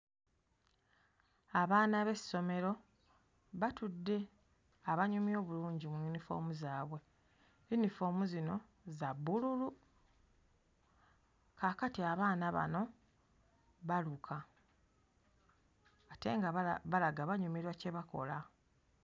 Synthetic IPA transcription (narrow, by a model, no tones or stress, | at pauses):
aβaːnaβe̞so̞me̞ɾo̞ | βatudːe̞ | aβaɲumio̞ːβuluːɲɟimujunifo̞̰ːmuzaːβwe̞ | junifo̞ːmuzino̞ | zabːululu | kakatiaβaːnaβa̰no̞ | βalukʰa | te̞ŋɡaβalaɡaβaɲumiɾwace̞βako̞̰la